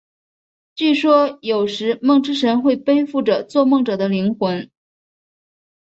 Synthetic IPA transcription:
t͡ɕy˥˩ʂwɔ˥jo˨˩ʊʂɻ̩˧˥mɤ˥˩˧ŋʈ͡ʂɻ̩˥ʂə˧˥nxwe˥˩ɪpe˥ɪfu˥˩ʈ͡ʂə˩t͡swɔ˥˧mɤ˥˩ŋʈ͡ʂɤ˨˩d̪ə˦li˧˥ŋxwə˧˥n

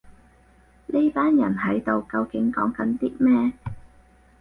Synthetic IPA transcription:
ne˥jpaː˥njɐ̰˨˩nɦɐ˨˥jt̪o˨˧wkɐ˧wkɪ˨˥ŋkɔ̰ː˨˥ŋkɐ˨˥nt̪iː˥t̚mɛː˥

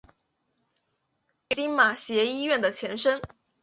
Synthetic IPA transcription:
ke˧˥i˥nma˨˩ɕjɛ˧˥i˥ɥɛ˥˩nd̪ə˩t͡ɕʰjɛ˧˥nʂə˥n

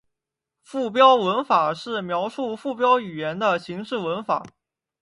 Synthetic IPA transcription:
fu˥˩p̬jɑ˥ʊwə˧˥nfa˨˩ʂɻ̩˥˩mjɑ˧˥ʊʂu˥˧fu˥˩pjɑ˥ʊy˨˩jɛ˧˥nd̪ə˧ɕi˧˥ŋʂɻ̩˥˩wə˧˥nfa̰˨˩˦

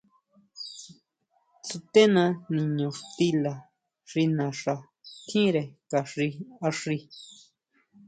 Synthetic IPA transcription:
t͡su˧t̪e˦nã˧nĩ˨ɲõ˨ʂt̪i˦la˨ | ʂi˧nã˨ʂa˨ | t̪ʰĩ˦ɾe˨ka˨ʂi˧a˧ʂi˧

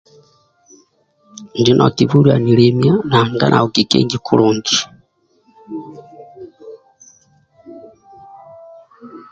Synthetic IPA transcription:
nd͡ʒi˦nʔɔ̰˨ti˨vu˦ɾia˨ni˨lɛmja˦na˨ŋɡa̰˦nʔa̰˨u˨ɡi˨kɛ̰˦ɲɡikʰu˦lu˨ndi̥

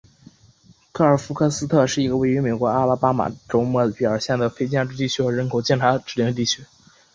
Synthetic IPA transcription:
kʰɤ˥˩ə˞˨˩fu˧˥kʰɤ˥˧sɹ̩˥t̪ʰɤ˥˧ʂɻ̩˥˩i˧˥ɡə˧we˥˩ɪy˧˥me˨˩ɪkwɔ˧˥a˥˧la˥pa˥ma̰˨˩ʈ͡ʂo˧˥ʊmɔ˥˩pi˨˩ə˞˨˩˥ɕjɛ˥˩nd̪ə˩fe˥ɪt͡ɕja˥˧ʈ͡ʂɻ̩˥˧t̪i˥˩t͡ɕʰy˥xɤ˧˥ɻə˧˥nkʰo˨˩ʊt͡ɕjɛ˥˩nʈ͡ʂʰa˧˥ʈ͡ʂɻ̩˥˩jɛ˥˩ŋ˧t̪i˥˩t͡ɕʰy˧˥

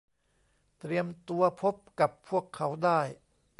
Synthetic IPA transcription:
t̪ɾi˧əmt̪u˧ɐpʰo˦˥p̚ka˨˩pʰːu˥˩əkʰːa˩˦˥wdaː˥˩j

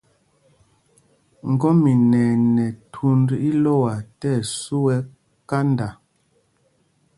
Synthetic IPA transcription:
ŋ̩˨ɡɔ˦mi˨nɛ˨nɛ˨tʰu˦ndi˦lɔ˦˨wa˨tɛ˦˨su˦wɛ˦ | ka˦nda˨

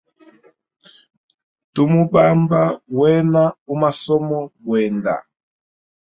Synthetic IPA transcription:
tu˦mu˦ba˦mba˦wɛ˦na˦u˦ma˦sɔ˦mɔ˦ɡwɛ˨nda̰˨

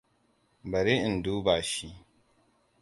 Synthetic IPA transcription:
bɐ˨ɾi˦˨n˨duː˦ba˨ʃi˦

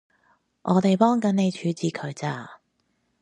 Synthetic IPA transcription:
ʔɔː˨˧t̪e˨jpɔː˥ŋkɐ˨˥ne˨˧jt͡ʃʰyː˨˥t͡siː˨˩kʰɵ˨˧ɥt͡saː˧

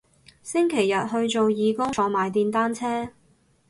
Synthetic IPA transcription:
sɪ˥ŋkʰe˨˩jːɐ˨t̚ɦɵ˧ɥt͡so˨wjiː˨˧kʊ˥ŋt͡sʰɔː˨˧maː˨jt̪iː˧nt̪aː˥nt͡sʰɛː˥

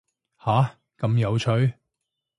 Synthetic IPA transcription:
haː˨˥ | kɐ˨˧mjɐ˨˧wt͡ʃʰɵ˨˥ɥ

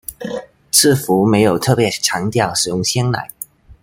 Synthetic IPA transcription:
t͡sʰɹ̩˥˩fu˧˥me˧˥ɪjo˨˩ʊt̪ʰɤ˥˩pjɛ˧˥ʈ͡ʂʰɑ˧˥ŋt̪jɑ˥˩ʊʂɻ̩˨˩jʊ˥˩ŋɕjɛ˥nla̰˧˥ɪ

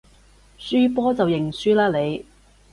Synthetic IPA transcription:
syː˥pɔː˥t͡sɐ˨wjɪ˨˩ŋsyː˥laː˥le˨˧j

